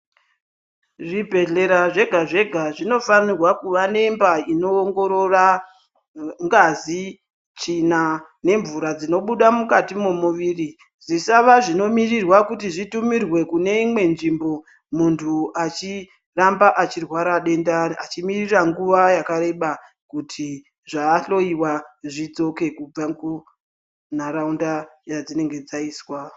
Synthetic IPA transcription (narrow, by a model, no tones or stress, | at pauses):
ʐibʱe̞ɮe̞ɾaʐe̞ɡʱaʐe̞ɡʱaʐino̞fanirwakuʋane̞mbaino̞ːŋɡo̞ɾora | ŋɡazi | t͡ʃinane̞ɱvuɾad͡zino̞ɓuɗamukatimomuʋiːri | ʐisaʋaʐino̞mirirwakutiʐitumirwe̞kune̞imwe̞nʐimbo̞ | muntʰuat͡ʃi | rambaʔat͡ʃirwaɾaɗe̞ndaat͡ʃimiriraŋɡuʋajakaɾe̞ɓa | kutʰi | ʐaːɬo̞iwaʐid͡zo̞ke̞kub͡vaŋɡu | naɾaundajad͡zine̞ŋɡe̞d͡zaiːswa